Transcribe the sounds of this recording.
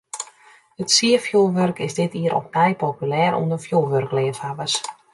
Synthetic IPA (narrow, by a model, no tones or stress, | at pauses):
ətsiəfjulˠʋørkɪzdɪtiəɾʔɔ̰p̚ɛjpopylɛːɾṵəndəfjulˠʋørkleːfabəs